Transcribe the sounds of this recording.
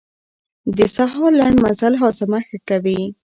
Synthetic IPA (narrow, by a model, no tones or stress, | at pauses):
d̪əsaɦɑɾlaɳɖmazalɦɑzɪmaxəkawi